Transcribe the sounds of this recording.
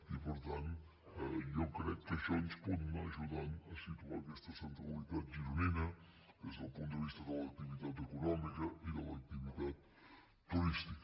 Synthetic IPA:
ipəɾt̪an | jɔwkɾɛk̪̚t̪ɐʃɔnspɔd̪naʒud̪anɐsit̪uaɾkɛst̪ɐsɐnt̪ɐβulit̪at̪̚d͡ʒiɾuninɐ | ezd̪ɐlˠpunt̪d̪əvist̪ɐðəlɐk̚t̪ivit̪at̪ekunɔmikɐid̪əlɐɐk̚t̪ivit̪at̪ː | uɾist̪ikə

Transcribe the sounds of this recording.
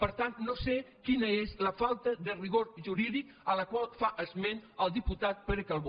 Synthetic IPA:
pəɾt̪annosekinəezləfalˠt̪əðəriɣoɾʒuɾiðik | ələkwalˠfaʔəzmenəlˠd̪iput̪at̪̚pəɾəkalˠβ

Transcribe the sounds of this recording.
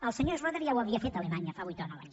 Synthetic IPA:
əlˠsəɲozroðəɾiawəβiəfet̪əlemaɲəfaβujt̪onɔwa̰ɲ

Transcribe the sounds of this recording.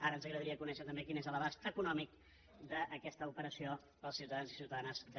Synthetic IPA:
aɾənzəɣɾəðəɾiəkunɛʃət̪əmbekinezəlˠəβastəkunɔmik | d̪əʔːkɛst̪əupəɾəsio | pəlˠsiuwt̪əðanzisiwt̪əðanəzd̪ə

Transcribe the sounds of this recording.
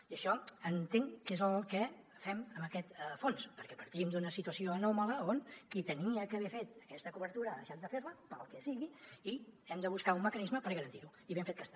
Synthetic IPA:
iəʃɔənt̪eŋkezəlˠkə | fɛməməkɛt̪fonspəɾkɛpəɾt̪imd̪unəsit̪uəsioənɔmələoŋkit̪əniəkəβefet̪̚əkɛst̪əkuβəɾt̪uɾəðəʃat̪d̪əfeɾləpəlˠkɛsiɣiiɛmd̪əβ̞uskaumːəkənizməpəɾɣəɾənt̪iɾu | iβeɱfet̪̚kəst̪a

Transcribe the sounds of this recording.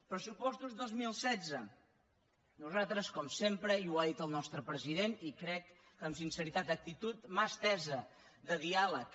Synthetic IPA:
pɾəsupɔst̪uzðozmilˠsɛd͡zə | nuzat̪ɾəskɔmsempɾəiwaðit̪əlˠnɔst̪ɾəpɾəziðenikɾɛkː | əmsinsəɾit̪at̪ək̚t̪it̪ut̪mast̪ɛzə | ðəðialək

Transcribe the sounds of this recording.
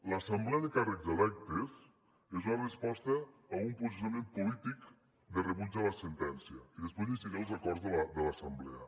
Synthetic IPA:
ləsəmblɛəðəkarəkzəlɛk̚t̪əs | ezunərəspɔst̪əːumpɾus̬esəmempulit̪ik | d̪ərəβud͡ʒaləsənt̪ɛnsiəiðəspezisiɣelˠzəkɔɾzðələd̪ələsəmblɛ̰ə

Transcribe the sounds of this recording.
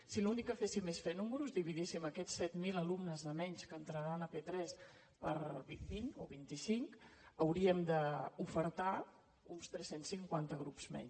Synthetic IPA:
silunikəfesimesfɛnumɾuzðiβiðisiməkɛsːɛt̪miləlumnəzðəmɛɲskənt̪ɾəɾanəpet̪ɾɛs | pəɾibinoβint̪isiŋkəwɾiəmd̪əufəɾt̪a | unst̪ɾɛsensiŋkwant̪əɣ̞ɾupz̥mɛ̰ɲs

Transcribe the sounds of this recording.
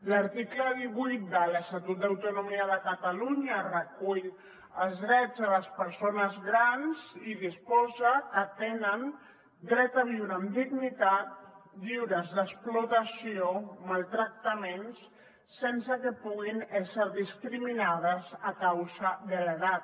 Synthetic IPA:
ləɾt̪ikləðiβujt̪̚d̪ələst̪at̪ut̪̚d̪əwt̪unumiəðəkət̪əluɲərəkuʎ | əlˠzðɾɛd͡zələspəɾsonəzɣɾanziðispɔzəkət̪enən | d̪ɾɛt̪əβ̞iwɾəːmd̪iɣnit̪at̪̚diwɾəzðəsplut̪əsiomalˠt̪ɾək̚t̪əmensː | ensəkəpuɣinɛsəɾðiskɾiminað̞əzəkawzəðələɣat̪̚

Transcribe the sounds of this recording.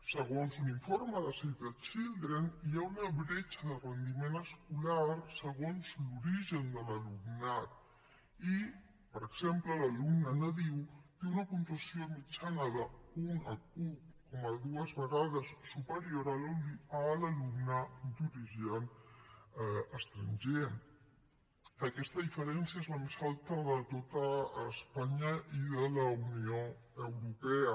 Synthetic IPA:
səɣonsuniɱfoɾmaðasejt̪ət͡ʃild̪ɾeniaunaβɾet͡ʃaðəlrənd̪imenɐskulaɾsəɣonzluɾiʒend̪əlalumnat̪̚ | i | pəɾeksemplalalumnanɐðiwt̪eunɐkunt̪asjomit͡ʃanaðɐunɐkut̚koməðuəzβəɣaðəsːupəɾioɾaələlumnəd̪uɾiʒian | əst̪ɾənʲʒe | əkɛst̪əðifəɾɛnsjəezləmezalˠt̪əðət̪ot̪əːspaɲəiðələunioəwɾupɛə

